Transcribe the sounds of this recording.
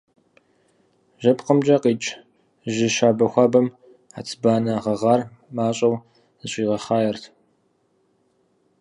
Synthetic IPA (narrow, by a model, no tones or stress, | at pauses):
ʒɐpqəmd͡ʒʼɐqiːt͡ʃʼ | ʒɪʃaːbɐxʷaːbɐm | ħa̰t͡sʰbaːnɐʁɐʁɑːr | maːɕʼɐw | ɨɕʷʼiːʁɐχaːjɛrtʰ